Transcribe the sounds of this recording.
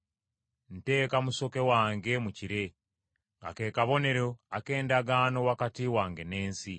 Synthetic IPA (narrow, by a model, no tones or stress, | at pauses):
n̩te̞ːkamuso̞ke̞waːŋɡe̞muciɾe̞ | ŋɡa̰ke̞ːkaβo̞ne̞ɾoake̞ːndaɡaːno̞wakatiwaːŋɡe̞ne̞ːnsi